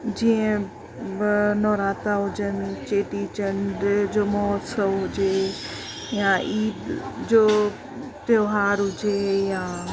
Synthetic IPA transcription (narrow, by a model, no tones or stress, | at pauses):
d͡ʑiːə̃ | bɪnɔːɾaːt̪aɦʊd͡ʑənt͡ɕeːʈit͡ɕə̃ɳɖd͡ʑoːmɔːt̪sɐʋɦʊd͡ʑe | jaʔiːd̪d͡ʑoː | t̪joːɦaːɾɦʊd͡ʑejaː